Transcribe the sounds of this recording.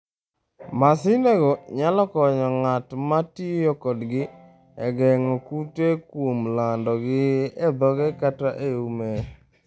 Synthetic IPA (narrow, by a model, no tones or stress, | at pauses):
masɪneɡɔɲalɔkɔɲɔŋatmatijokɔdɡɪ | ɛɡɛŋɔkutekwomlandɔɡɪɛd̪ɔɡɛkataʔeume